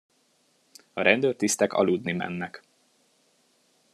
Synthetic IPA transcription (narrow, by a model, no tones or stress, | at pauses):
ɒɾɛnd̪øːrt̪ist̪ɛkɒ̰lud̪nimɛ̰nːɛk